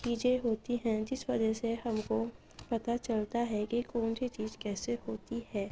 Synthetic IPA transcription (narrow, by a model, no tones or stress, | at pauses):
kiːd͡ʒeɦoːt̪iɦɛ̃d͡ʒɪsʋɐd͡ʒəseɦɐmko | pɐt̪at͡ʃɐlt̪aɦɛkikoːnbʱit͡ʃiːzkɛːsehoːt̪iɦɛː